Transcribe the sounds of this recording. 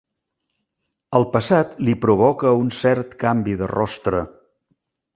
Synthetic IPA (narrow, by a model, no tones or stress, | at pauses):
əlˠpəsat̪lipɾuβɔkəunsɛɾt̪kambiðə̰rɔ̰st̪ɾə